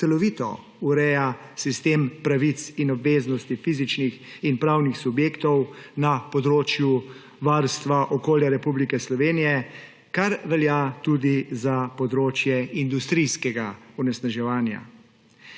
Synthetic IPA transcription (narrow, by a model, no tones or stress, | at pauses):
sɛlɔʋit̪ɔ̰ | uɾɛːja | sist̪eːmpɾaʋit̪sinɔbʋeːznɔst̪ifizit͡ʃnixinpɾaːwnixsubjeːkt̪ɔwnapɔd̪ɾoːt͡ʃju | ʋaɾst̪ʋaʔɔkoːljaɾɛpublikɛslɔʋeːnijɛ | kaɾʋɛljat̪ud̪izapɔd̪ɾoːt͡ʃjɛind̪ust̪ɾijskɛɡaunɛsnaʒɛʋaːnja̰